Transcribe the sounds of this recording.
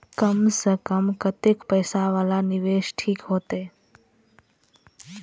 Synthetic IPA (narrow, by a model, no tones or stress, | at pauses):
kəmsəkəmkət̪ekpəjsaʋalanɪʋeʃʈʰiːkɦoːt̪e